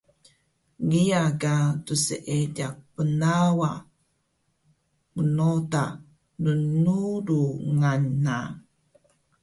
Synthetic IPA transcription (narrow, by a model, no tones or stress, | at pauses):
ŋiaɡatusəʔedak̚pənawa | mənota | nənuɾuŋanːa